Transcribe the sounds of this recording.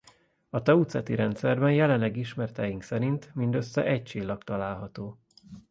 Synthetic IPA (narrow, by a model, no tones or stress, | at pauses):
ɒt̪ɛut̪sɛt̪iɾɛnt̪sɛrbɛnjɛlɛnːɛɡiʃmɛrt̪ɛjiŋksɛɾint̪mind̪øsːɛ̰ʔɛc̚t͡ʃiːlːɒkt̪ɒlaːlɦɒt̪oː